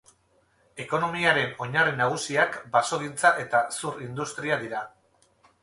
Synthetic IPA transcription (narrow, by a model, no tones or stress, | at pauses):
e̞ko̞no̞miaɾe̞no̞ɲarinaɣ̞usiakbaso̞ɣ̞int͡saʔe̞t̪asuɾind̪ust̪ɾiaðiɾa